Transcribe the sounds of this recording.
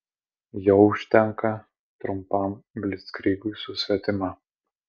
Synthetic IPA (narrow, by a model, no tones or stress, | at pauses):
jɛʊʊʃʲt̪ʲɛŋkɐ | t̪ɾʊmpɐˑmbʲlʲɪskɾʲiːɡʊːsʊsʲʋʲɛt̪ʲɪmɑ